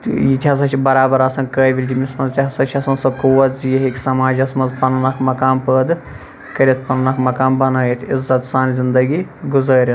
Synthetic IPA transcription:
t̪jit̪ʰʲiɐs̬ɐt͡ʃʰibɐɾaːbɐɾɐsɐːnkəːbʲilʲɡʲimʲismɐnzt̪ʰʲiɦɐsɐt͡ʃʰɐsɐnsɐkuwɐt̪zijɐɦekʲisɐmaːd͡ʒɐsmɐnzpɐnɐnɐkʰmɐkaːnpəːd̪ɨ | kɐɾʲit̪̚ʰpɐnɐnɐkmɐkaːnbɐnaːjit̪ʰizɐt̪saːnzind̪ɐɡiɡuzɐːɾʲɐt̪ʰ

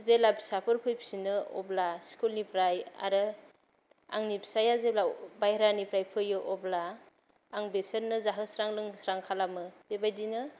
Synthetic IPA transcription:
zelabi̥sapʰɯɾpʰɯjpʰi̥sinɯɔ̰blaskulnipʰɾaja̰ɾɯ | a̰ŋnipʰi̥sajazeblabajɾanipʰɾajpʰɯjɯʔɔblaː | ŋbesəɾnɯzaɦɯsɾaŋlɯŋsɾaŋkʰalamɯbebajdinɯ

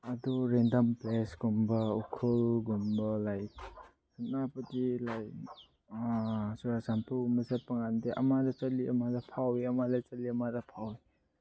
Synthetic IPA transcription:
ɐduɾendɐmplesɡumbɐukʰulɡumbɐlaj | sanapadilaj | suɾasampumɐsat̚pɐŋandeʔɐmadɐt͡ʃɐliʔɐmadɐpʰawiɐmadɐt͡ʃɐliɐmaɾɐpʰawi

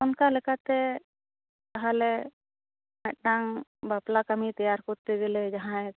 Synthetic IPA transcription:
ɔnkalɛkat̪ɛ | k̪aɦalɛ | mɛt̪̚naŋbaplakamit̪ajaɾkɔɾt̪ɛɡɛlɛd͡ʒaɦãɛ

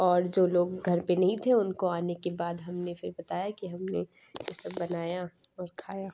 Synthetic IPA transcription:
ɔːɾd͡ʒoːloːɡɡʱɐɾpenɐɦĩt̪ʰẽʊnkoaːnekebaːd̪ɦɐmnefɪɾbɐt̪aːjakiɦɐmnḛ | jɪsɐbbɐnaːjaɔːɾkʰaːjaː

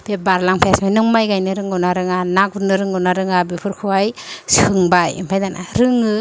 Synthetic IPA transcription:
b̥ebaɾlaŋpʰaasmajnɯŋmajɡajnɯɾɯŋɡɯnaɾɯŋanak̚unɯɾɯŋɡɯnaɾɯŋabipʰɯɾkʰɯwajsɯŋbajḭmpʰajdanʔa̰ɾɯŋɯ

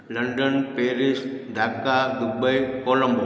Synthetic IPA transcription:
lɐɳɖɐnpeːɾɪsd̪ʱaːkːaːd̪ʊbɐjkoːlɐmb

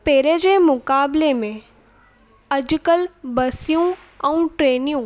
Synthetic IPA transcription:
peːɾed͡ʑeːmʊkaːblemẽ | ɐd͡ʑʊkəlbɐsijũ | ɛ̃ũʈɾeːnijũ

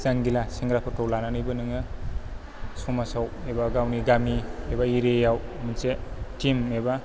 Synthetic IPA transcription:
zaŋɡilasiŋɡɾapʰatowlananɯjbɯnɯŋɯ | sumasawebaɡawniɡamiebaiɾejawminsetimeba

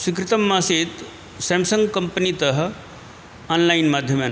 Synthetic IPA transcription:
swik̬ɾɪt̪ɐmːaːseːt̪ | sɐmsɐŋɡkɐmpənit̪ɐɦɐ̆ | ɐːnlajnmaːd̪ʱjɐmaː

